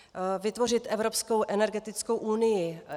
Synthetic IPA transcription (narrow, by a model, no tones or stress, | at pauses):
vɪt̪vo̞r̝ɪt̪ʔɛvɾo̞pskowʔɛnɛɾɡɛt̪ɪt͡sko̞wʔunɪjɪ